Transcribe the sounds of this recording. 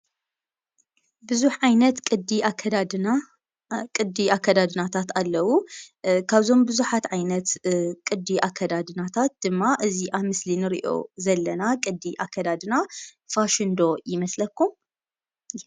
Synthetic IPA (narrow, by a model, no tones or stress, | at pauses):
bɨzuħʕajnɐt̪kʼɨd̪iaɐd̪ad̪a | kʼɨd̪iakʰːɐd̪ad̪ɨnat̪ʰat̪alːɐwukʰaβzo̞mbɨzuħat̪ʕajnɐt̪kʼɨd̪iʔakʰːɐd̪ad̪ɨnat̪ʰat̪̚d̪̥ɨmːaʔɨziʔaβmɨslinɨɾḭʔo̞̰zɐlːɐnakʼɨd̪ːiʔakʰːɐd̪ad̪ɨnafaʃɨnd̪o̞jɪmɐslɐkːum